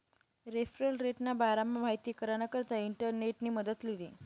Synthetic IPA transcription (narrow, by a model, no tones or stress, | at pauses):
ɾefɾeɳɾeʈnabaɾamːamaɦit̪iːkəɾañakəɾt̪aiɳʈəɾneʈniːməd̪ət̪liliː